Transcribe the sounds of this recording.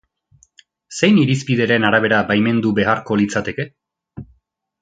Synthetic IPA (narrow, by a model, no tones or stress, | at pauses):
se̞jniɾispiðe̞ɾe̞naɾaβ̞e̞ɾabajme̞nd̪ube̞arko̞lit͡sat̪e̞ke̞